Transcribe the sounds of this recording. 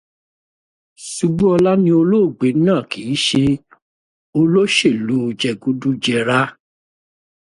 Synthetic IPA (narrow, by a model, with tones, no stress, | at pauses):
su˧ɡ͡bu˦ɔ˧la˦nĩ˧o˧lo˦˨ɡ͡be˨˦nãː˦˨ki˨˦ʃe˧ | o˧lo˦ʃe˦˨lu˨˦o˧d͡ʒɛ˧˨ɡu˦du˦d͡ʒɛ˧˨ɾa˦